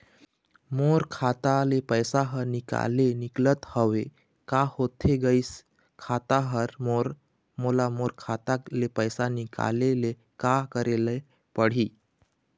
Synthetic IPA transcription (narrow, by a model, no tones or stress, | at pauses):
moɾkʰat̪alepəjsaɦəɾnika̰leniklət̪həʋe | kahot̪ʰːeɡəis | kʰat̪aɦəɾmoɾ | molamoɾkʰat̪alepəjsanika̰lele | kakəɾeləj | pəɽ̤iː